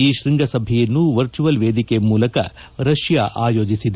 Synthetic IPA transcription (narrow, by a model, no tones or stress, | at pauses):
iːʃɾiŋɡɐsɐbʱɛjɐnːuʋɐɾt͡ʃuʋɐlʋeːd̪ikemuːlɐkɐ̰ | ɾɐʃjaʔaːjo̞ːd͡ʒisid̪